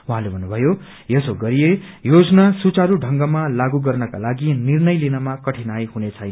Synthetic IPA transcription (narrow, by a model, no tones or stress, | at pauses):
uɦãlebʱʌnːubʱʌjo | jʌsoɡʌɾije | jod͡zʌnasut͡saɾuɖʱʌŋɡʌmalaɡuɡʌrnʌkalaɡinirnʌjlinamakʌʈʰinajhunet͡sʰʌjnʌ